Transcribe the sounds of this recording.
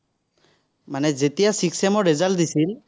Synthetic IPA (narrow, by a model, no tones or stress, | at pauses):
manɛzet̪ijasiksɛmɔɹɛzald̪isil